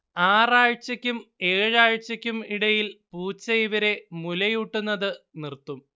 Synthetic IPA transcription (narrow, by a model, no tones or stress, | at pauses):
aːraːɻt͡ɕːɐkʲːume̞ːɻaːɻt͡ɕːɐkʲːumiɽɐjilpuːt͡ɕːɐjiʋɐɾe̞mulɐjuʈːunːɐðɨ | nirt̪ːum